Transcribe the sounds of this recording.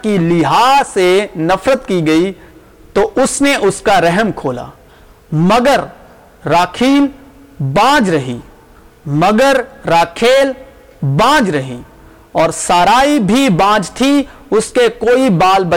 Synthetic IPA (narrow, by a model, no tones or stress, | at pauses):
kilɪɦaːsenɐfɾət̪kiɡɐi | t̪oʔʊsneʔʊskaɾɛɦmkʰoːla̰ː | mɐɡəɾ | ɾaːkʰiːl | bãːd͡ʒɾɐɦḭː | mɐɡəɾɾaːkʰeːl | bãːd͡ʒɾɐɦḭː | ɔːɾsaːɾaːibʱibãːd͡ʒt̪ʰi | ʊskekoːibaːlbɐ